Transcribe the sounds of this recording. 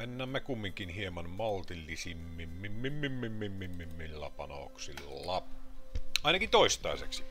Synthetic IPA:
enːæːmːekumːiŋkinhiemɑnmolt̪ilːisimːimːimːimːimːimːimːimːimːilːɑ̰pɑno̰ksḭl | lɑ | ɑˑinɑkint̪oˑist̪ˑɑˑesḛksi

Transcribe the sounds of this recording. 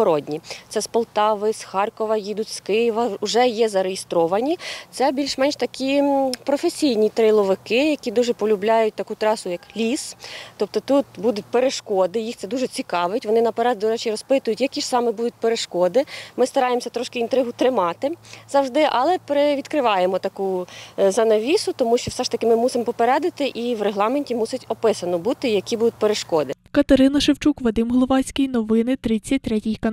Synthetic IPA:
ɔɾɔdʲnʲit̪sɛspɔlˠt̪ɑʋɪsxɑrkɔʋɐjid̪ʊtʲskɪjɪʋɐʊʒɛjɛzɐɾejest̪ɾɔʋɐnʲit̪sɛbʲilʲʃmɛnʲʃt̪ɐkʲʰipɾɔfesʲijnʲit̪ɾɪlˠɔʋɪkɪjɐkʲid̪uʒɛpɔlʲʊblʲɑjʊt̚ʲt̪ɐkut̪ɾɑsʊjɐklʲist̪ɔp̚t̪ɔt̪ut̪bud̪ʊt̚ʲpeɾeʃkɔd̪ɪjixtsɛd̪uʒɛt͡sʲikɑʋɪtʲʋɔnɪnɐpeɾɛd̪d̪ɔɾɛt͡ʃirɔspɪt̪ʊjʊtʲjɐkʲiʃsɑmɪbud̪ʊt̚ʲpeɾeʃkɔd̪ɪmɪst̪ɐɾɑjemsʲɐt̪ɾɔʃkɪint̪ɾɪɦʊt̪ɾɪmɑt̪ɪzɐwʒd̪ɪʔɐlˠɛpɾɪʋʲid̪kɾɪʋɑjemɔt̪ɐkuzɐnɐʋʲisʊt̪ɔmuʃt͡ʃɔwsɛʃt̪ɐkɪmɪmusɪmpɔpeɾɛd̪ɪt̪ɪʔiʋreɦlˠɑmenʲtʲimusʲɪtʲɔpɪsɐnɔbut̪ɪjɐkʲibud̪ʊt̚ʲpeɾeʃkɔd̪ɪkɐt̪ɐɾɪnɐʃɪwt͡ʃukʋɐd̪ɪmɦɔlˠɔʋɑt͡sʲkɪjnɔʋɪnɪt̪ɾɪt͡sʲːɐt̚ʲt̪ɾɛtʲijkɐ

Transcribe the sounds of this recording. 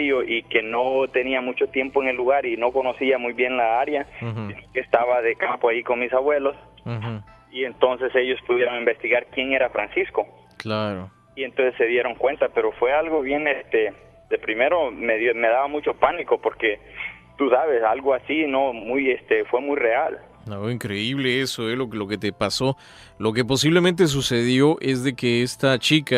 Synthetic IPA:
joʔike̞not̪e̞niamut͡ʃo̞t̪je̞mpoeŋe̞lːuɣaɾino̞ko̞no̞siamujβje̞nlaaɾjasinokest̪aβaðe̞kampoajiko̞nmisaβwe̞los | ie̞nt̪o̞nse̞se̞ʝo̞spuðjeɾo̞ŋimbest̪iɣaɾkje̞ŋe̞ɾafɾansisko̞ | klaɾo | ient̪o̞nsesːe̞ðje̞ɾo̞ŋkwe̞nt̪ape̞ɾo̞fwe̞alɣo̞βje̞nest̪e | d̪e̞pɾime̞ɾo̞meðomeðaβamut͡ʃo̞paniko̞poɾke̞ | t̪usaβe̞salɣo̞asinomujest̪e̞fwe̞mujre̞al | noiŋkɾe̞iβ̞le̞esoeloklo̞ke̞t̪epaso̞ | lo̞k̬e̞p̬o̞s̬iβlemẽnt̪̬e̞s̬use̞ðjo̞ʔe̞zðe̞keest̪at͡ʃika

